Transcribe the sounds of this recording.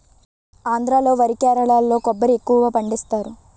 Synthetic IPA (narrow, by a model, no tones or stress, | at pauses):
aːnd̪ɾaːlo̞ːʋɐɾikaːɾɐɭaːlːo̞ːkɔbːɐɾiekːuʋʋaːpɐɳɖist̪aːɾu